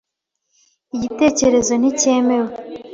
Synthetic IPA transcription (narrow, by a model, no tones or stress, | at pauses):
iɟite̞ːce̞ɾe̞zo̞nice̞ːme̞ɾwe